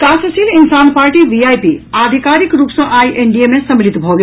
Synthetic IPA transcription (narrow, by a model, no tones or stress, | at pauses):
kasəsilinsanpaɾʈiʋiajpiad̪ʱikaɾikɾuːpsə̃ʔajʔeɳɖijemesəmlit̪bʱɔɡe